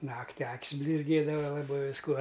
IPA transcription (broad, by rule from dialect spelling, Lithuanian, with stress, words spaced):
ˈnɑːktʲɪ ˈɐkʲsʲ bʲlʲɪzʲˈɡʲeːdɐʋɐ lˠɐˈbɐɪ ʋʲɪsˈkuɔ